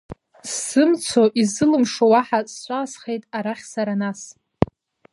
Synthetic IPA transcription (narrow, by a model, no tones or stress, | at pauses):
sːɨmt͡sʷʰo̞ʔizɨlɨmʂowaħast͡ʃʷʼaːsχe̞jtʼaɾaχʲsaɾanas